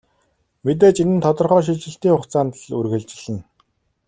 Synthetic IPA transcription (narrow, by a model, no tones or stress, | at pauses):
met̪̬eːt͡ɕinɘ̆nt̪ʰɔt̪ɞ̆rχœːʃ̬it͡ɕɪ̆ɬt̪iːŋχʊχt͡saːnt̪ɮurɣɘ̆ɮt͡ɕɪ̆ɮɘ̆n